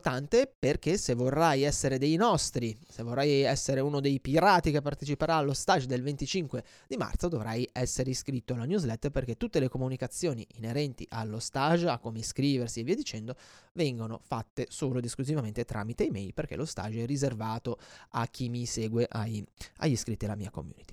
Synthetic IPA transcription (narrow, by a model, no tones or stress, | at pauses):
t̪ant̪eperk̟esevːorːajɛsːeɾed̪ejnɔst̪ɾisevorːajɛsːeɾeunod̪ejpiɾaːt̪ikepːart̪et͡ʃipeɾaːlːost̪aʒd̪elvent̪it͡ʃiŋkwe | d̪ima̰rt̪sod̪ovɾajɛsːeɾeiskɾit̪ːoalanjuzlɛt̪ːperk̟et̪ːut̪ːelekomunikat̪sːjoːniʔineɾɛnt̪ḭʔalːost̪aʒakːomeskɾiːversievːiad̪it͡ʃɛnd̪ovɛŋɡono̰fat̪ːesoːlod̪iskluzivament̪et̪ɾʔa̰mit̪eimɛjlperk̟ḛlʔost̪a̰ʒːɛrːizervaːt̪oa̰k̟ːimiseːɡweʔaja̰ʎːiskɾit̪ːidalamḭːako̰mjṵːnit̪i